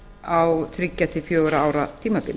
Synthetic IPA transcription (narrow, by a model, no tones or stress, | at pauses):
awθɾɪcːat̪ɪfjœːɣʏɾaaːwɾat̪ʰiːmapɪ̰l